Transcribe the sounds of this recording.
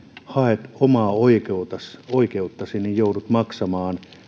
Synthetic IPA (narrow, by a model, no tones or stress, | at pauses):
hɑet̪omɑːoikeut̪ɑsoikeut̪ːɑsinijjoudut̪mɑksɑmɑːn